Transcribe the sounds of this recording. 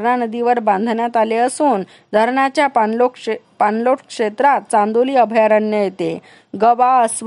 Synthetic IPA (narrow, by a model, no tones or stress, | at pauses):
ɳanəd̪iʋəɾbãnd̪ʱɳjat̪aleəsuːn | d̪ʱəɾɳat͡ɕjaplokpanloʈkʂet̪ɾat̪̚t͡sãnd̪oliːəbʱjaɾəɳjəjet̪e | ɡəʋaəs